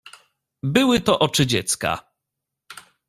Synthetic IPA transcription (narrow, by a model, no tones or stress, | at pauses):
bɘwɘt̪ɔʔɔt͡ʂɘd͡ʑɛt̪ska̰